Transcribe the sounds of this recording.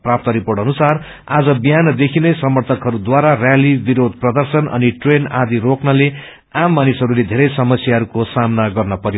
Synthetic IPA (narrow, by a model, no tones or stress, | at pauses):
prap̚t̪ʌɾiporʈʌnusar | ad͡zʌbijanʌd̪ekʰinʌjsʌmʌrt̪ʰʌkɦʌɾud̪waɾarjalibiɾod̪̚prʌd̪ʌrsʌnʔʌ̰niʈrenad̪iɾoknʌle | amːanisɦʌɾuled̪ʱeɾʌjsʌmʌsjaɦʌɾukosamnaɡʌrnʌpʌɾjo